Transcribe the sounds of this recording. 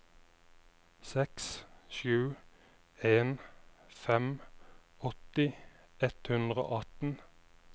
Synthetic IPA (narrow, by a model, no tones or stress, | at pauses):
sɛksʃʉː | eːnfɛm | ɔt̪ɪ | ɛt̪hʉnd̪ʁəo̰ːʔɑt̪n̩